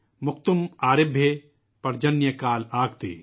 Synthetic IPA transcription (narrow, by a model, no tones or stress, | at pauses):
mʊk̚t̪ʊmaːɾɪbʱjə | pɐɾd͡ʒɐnjəkaːlaːɡt̪ḛː